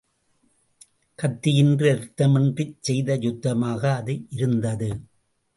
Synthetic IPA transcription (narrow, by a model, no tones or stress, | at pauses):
kɐt̪ːɪjɪndrɯɐɾɯt̪ːɐmɛndrɪt͡ʃːsɛjðɐjʊd̪ːɐmaːɣɐːðɯʔɪɾɯnd̪ɐðɯ